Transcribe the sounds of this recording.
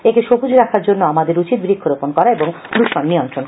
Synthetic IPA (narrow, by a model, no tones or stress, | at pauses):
ekeʃobud͡ʑɾakʰaɾd͡ʑonːoamad̪eɾut͡ɕit̪̚bɾikʰːoɾoponkɔɾaeboŋɡ̪ɾuʃonːiont̪ɾon